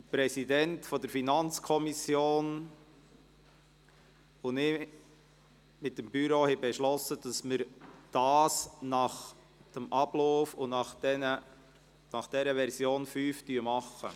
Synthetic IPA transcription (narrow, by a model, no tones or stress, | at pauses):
pɾɛsidɛntfɔdəɾfinɑnt͡skʰɔmisjoːn | ʊnɪ | mɪt̚ːəmbyɾohɛbɛʃlɔsːəd̥ɑsmɪɾd̥ɑːsnɑχ | d̥əmʔɑb̥loːfʊnɑχɛnə | nɑχd̥ɛɾəʋɛɾsjoːnfyːftyəmɑχːə̰